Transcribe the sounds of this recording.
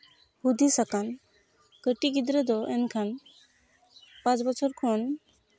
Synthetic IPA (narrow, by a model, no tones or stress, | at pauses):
hud̪isakan | kəʈiɡid̪ɾɛd̪ɔʔɛnkʰan | pãt͡ʃbɔt͡ʃʰɔɾkʰɔn